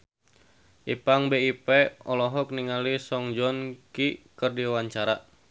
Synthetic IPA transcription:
ʔipaŋbeipeɔlɔɦɔk̚niŋalisɔŋd͡ʒɔnkikərdiwaɲt͡ʃaɾa

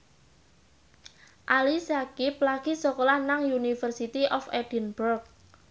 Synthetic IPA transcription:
ʔalisakip̚laɡ̥i̤sɔkɔlahnaŋjunifərsit̪iʔɔfɛd̥inburk̚

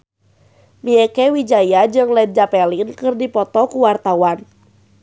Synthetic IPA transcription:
miɛkɛwid͡ʒajad͡ʒɨŋlɛd̚d͡ʒapɛlinkɨrdipɔt̪ɔkuwart̪awan

